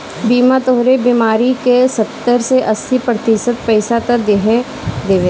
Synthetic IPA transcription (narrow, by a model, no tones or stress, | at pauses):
biːmat̪oɦɾebimaːɾikesɐt̪ːəɾseʔɐsipɾət̪iʃət̪pɛɪsat̪ɐd̪eɦe | d̪eːʋe